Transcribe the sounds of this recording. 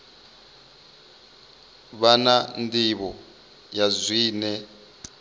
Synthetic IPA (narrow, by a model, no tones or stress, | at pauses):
βanandiβɔ | jazʷwiːnɛ